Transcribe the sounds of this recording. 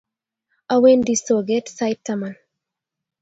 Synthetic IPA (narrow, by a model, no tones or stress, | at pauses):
awendisoɡetsajtːaman